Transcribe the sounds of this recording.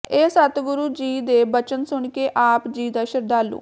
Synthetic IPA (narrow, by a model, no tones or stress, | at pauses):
eːsət̪ɡʊɾuːd͡ʒiːd̪eːbət͡ʃənsʊɳkeːʔaːpd͡ʒiːd̪aːʃəɾd̪aːlṵː